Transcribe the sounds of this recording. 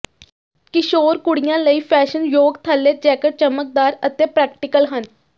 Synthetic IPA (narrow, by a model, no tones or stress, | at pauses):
kɪʃoːɾkʊɽɪjãːləiːpʰɛːʃənjoːɡt̪ʰəlːeːd͡ʒɛːkəʈ̚t͡ʃəmək̚d̪aːɾət̪eːpɾɛːkʈɪkəlɦən